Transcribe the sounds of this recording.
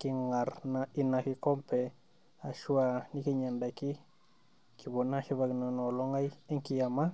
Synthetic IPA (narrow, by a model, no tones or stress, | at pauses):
kiŋaɾnainakikompe | aʃuanikiɲandaki | kibonːaʃiβaknonoloŋajeŋkijama